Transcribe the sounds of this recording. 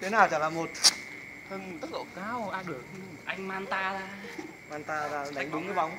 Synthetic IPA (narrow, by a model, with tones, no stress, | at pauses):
t̪ʰe˨˦naː˨˩wt͡ɕaː˧˩laː˨˩mo˨˩t̚ | t̪ʰə˧˩nt̪ə˦˥k̚lo̰˧˩kaː˧wʔaː˧ɗɨ˨˩ək̚ː | ʔa˧jŋ̟maː˧nt̪aː˧zaː˧ | maː˧nt̪aː˧zaː˧˩ɗa˨˦jŋ̟ɗʊ˨˦ŋ͡mka˨˦ɓa˨˦wŋ͡m